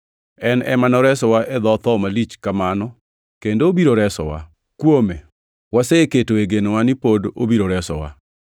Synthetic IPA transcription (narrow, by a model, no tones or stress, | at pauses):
ɛnɛ̰manɔɾɛsɔwaʔɛd̪ɔt̪ɔmalit͡ʃkamanɔ | kendoːbiɾoɾɛsɔ̰wa̰ | kwome | waseketoeɡenowanɪpodo̰biɾoɾɛsɔ̰wa̰